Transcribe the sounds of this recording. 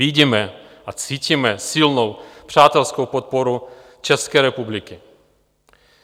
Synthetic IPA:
iɟimɛ | ʔat͡siːcimɛsɪlnowpr̝̥aːt̪ɛlskowpot̪̚poɾu | t͡ʃɛskɛːɾɛpublɪkɪ

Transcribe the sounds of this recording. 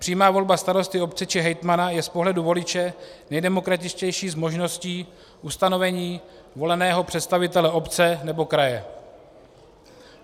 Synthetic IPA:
pr̥iːmaːvo̞lbast̪aɾo̞st̪ɪo̞p̚t͡sɛt͡ʃɪɦɛjt̪manajɛspoɦlɛduvo̞lɪt͡ʃɛnɛjdɛmo̞kɾat̪ɪt͡ʃcɛjʃiːzmo̞ʒno̞sciː | ʔust̪ano̞vɛɲiː | vo̞lɛnɛːɦo̞pr̝̥ɛt̪st̪avɪt̪ɛlɛʔo̞pt͡sɛnɛbo̞kɾajɛ

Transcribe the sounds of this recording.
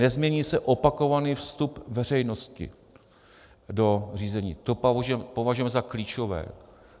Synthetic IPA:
nɛzmɲɛɲiːsɛʔo̞pako̞vaniːfst̪upvɛr̝ɛjno̞scɪ̰ | do̞r̝iːzɛɲiːt̪opɛmpo̞vaʒujɛmɛzakliːt͡ʃo̞vɛ̰ː

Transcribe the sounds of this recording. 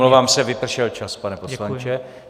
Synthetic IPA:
lovaːmsɛvɪpr̩ʃɛlt͡ʃaspanɛposlant͡ʃɛ

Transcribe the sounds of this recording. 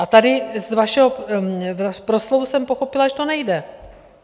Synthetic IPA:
ʔat̪adɪzvaʃɛɦovapɾoslovusɛmpoxo̞pɪlaʒɛt̪onɛjdɛ

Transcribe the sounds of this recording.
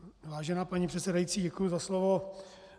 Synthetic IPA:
vaːʒɛnaːpaɲiːpr̥ɛt̪sɛdajit͡siːɟɛkujuzaslovo

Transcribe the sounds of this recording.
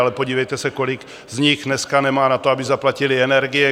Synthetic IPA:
alɛpo̞ɟiːvɛjt̪ɛsɛko̞lɪk | zɲɪxnɛskanɛmaːnat̪oabɪzaplacɪlɪɛnɛɾɡɪjɛ

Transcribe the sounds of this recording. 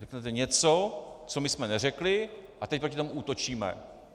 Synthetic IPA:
rɛknɛt̪ɛɲɛt͡sot͡so̞mɪsmɛnɛrɛklɪʔat̪ɛc̚pɾo̞cɪt̪omuuːt̪o̞t͡ʃiːmɛ̰

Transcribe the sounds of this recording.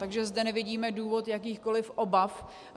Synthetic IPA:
t̪aɡʒɛzdɛnɛvɪɟiːmɛduːvo̞t̪jak̬iːxko̞lɪfʔo̞baf

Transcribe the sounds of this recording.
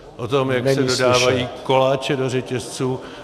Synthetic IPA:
ʔot̪o̞mjaksɛdo̞daːvajiːko̞laːt͡ʃɛdorɛcɛst͡suː

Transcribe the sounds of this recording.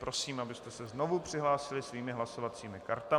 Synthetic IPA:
pɾo̞siːmʔabɪst̪ɛsɛzno̞vupr̝̥ɪɦlaːsɪlɪsviːmɪɦlaso̞vat͡siːmɪka̰ɾt̪a

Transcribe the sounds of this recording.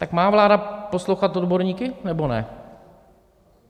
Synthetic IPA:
t̪akmaːvlaːdapo̞slowxat̪odbo̞ɾɲiːkɪnɛbo̞nɛ̰

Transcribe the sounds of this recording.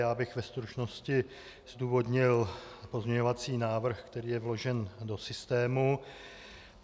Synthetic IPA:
jaːbɪxvɛst̪ɾut͡ʃno̞scɪ | z̥duːvo̞dɲɪlpo̞zmɲɛɲo̞vat͡siːnaːvr̩xkt̪ɛɾiːjɛvlo̞ʒɛndo̞sɪst̪ɛːmu

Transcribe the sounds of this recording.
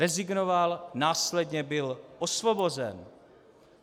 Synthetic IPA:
ɛzɪɡnovalnaːslɛdɲɛbɪlʔosvobo̞zɛn

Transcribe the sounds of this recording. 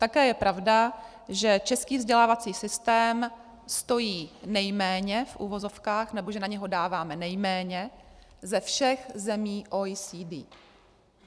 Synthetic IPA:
t̪akɛːjɛpɾʔavda | ʒɛt͡ʃɛskiːvzɟɛlaːvat͡siːsɪst̪ɛːm | st̪ojiːnɛjmɛːɲɛfʔṵːvo̞zo̞fkaːxnɛboʒɛnaɲɛɦo̞daːvaːmɛnɛjmɛːɲɛzɛfʃɛxzɛmiːʔosidi

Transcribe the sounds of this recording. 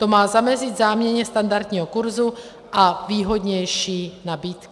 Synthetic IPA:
t̪omaːzamɛzid̪zaːmɲɛɲɛst̪and̪aɾt̪ɲiːɦɔkuɾzu | ʔaviːɦod̪ɲɛjʃiːnabiːt̪k

